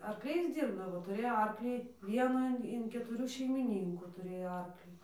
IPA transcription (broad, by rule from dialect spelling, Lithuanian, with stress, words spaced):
ɐrkˈlʲɛɪs ˈdʲiːrbdɐʋoː tʊˈrʲeːjoː ˈɐrklʲiː ˈʋʲiɛnuː ɪn kʲɛtʊˈrʲuː ʃʲɛɪmʲɪˈnʲiːŋkuː tʊˈrʲeːjoː ˈɐrklʲiː